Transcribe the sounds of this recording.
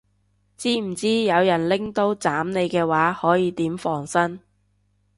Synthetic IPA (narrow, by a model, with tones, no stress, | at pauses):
t͡siː˥m̩˨˩t͡siː˥jɐ˨˧wjɐ˨˩nlɪ˥ŋt̪o˥wt͡saː˨˥mne˨˧jkɛː˧waː˨˥hɔː˨˥jiː˨˧t̪iː˨˥mfɔː˨˩ŋsɐ˥n